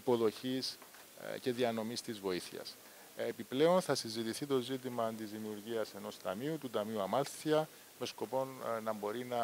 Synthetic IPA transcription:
ipo̞ðo̞çis | ce̞ðiɐno̞mist̪izvo̞iθḭɐ̰s | epiple̞o̞nθɐsinzit̪iθit̪o̞zit̪̬imɐnd̪izðimiuɾʝiɐse̞no̞st̪ɐmiut̪ut̪ɐmiuɐmɐlθiɐ | me̞sko̞po̞nnɐmbo̞ɾinɐ

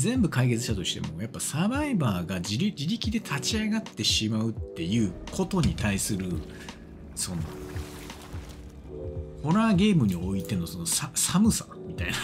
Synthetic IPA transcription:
zẽ̞mbɯ̟kaike̞t͡sɨɕt̪at̪o̞ɕi̥t̪e̞̰mo̞japːasabaibaːɡad͡ʑiɾʲid͡ʑiɾʲikʲid̪e̞t̪ʰat͡ɕiaɡat̪ːe̞ɕimaɯ̟t̪ːe̞jɯ̟ːkʰo̞t̪o̞ɲ̟it̪aisɨɾɯ̟ | sõ̞nːa̰ | ho̞ɾaːɡe̞ːmɯ̟ɲ̟io̞it̪e̞no̞so̞no̞sasamɯ̟samʲit̪aina

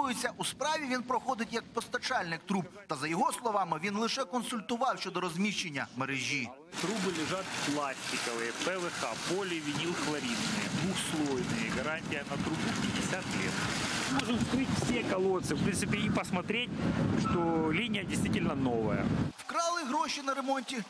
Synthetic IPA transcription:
ujʊt͡sʲːɐʔuspɾɑʋʲiʋʲinpɾɔxod̪ɪtʲjɐk̚pɔst̪ɐt͡ʃalʲnɪk̚t̪ɾupt̪ɐzɐjɔɦɔslˠɔʋɑmɪʋʲinlˠɪʃɛkɔnsʊlʲt̪ʊʋɑwʃʲt͡ʃod̪ɔɾɔzʲmʲiɕt͡ʃːenʲːɐmeɾɪʒʲi | t̪ɾubɨlʲɪʐat̪plˠasʲtʲɪkɐlɨjɛpɛvɛxapolʲɪʋʲɪnʲilˠxlˠɐɾʲit̪nɨ̰jɛd̪ʋuxslˠojnɨjɛɡɐɾanʲtʲɪjɐnɐt̪ɾubʊpʲɪdʲɪsʲat̪lʲḛt̪moʐʊt̪kɪtʲfsʲekɐlˠot̪sɨfpɾʲint̪sɨpʲɪipɐsmɐt̪ɾʲetʲʂt̪olʲinʲɪjɐdʲɪst̪vʲitʲɪlʲnɐnoʋɐ̰jɐ̰wkɾɑlˠɪɦɾɔʃinɐɾemonʲtʲi

